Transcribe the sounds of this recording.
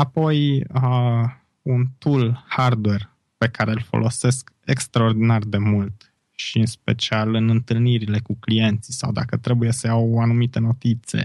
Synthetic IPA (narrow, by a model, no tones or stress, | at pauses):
apo̞jə | unt̪ulhard̪we̞r | pe̞kaɾe̞lfo̞̰lʔo̞se̞ske̞kst̪ɾaord̪inard̪e̞mult̪ | ʃiɨnspe̞̰t͡ʃialɨnɨnt̪ɨlniɾile̞kuklie̞nt̪sisa̰wd̪akət̪ɾe̞buje̞səjawanumit̪e̞no̞t̪it̪se̞̰